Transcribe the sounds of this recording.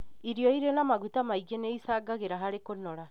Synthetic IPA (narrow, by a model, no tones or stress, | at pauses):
iɾiɔiɾenamaɣutamaiɡenɛisaːɡaɣeɾaɦaɾekonɔɾa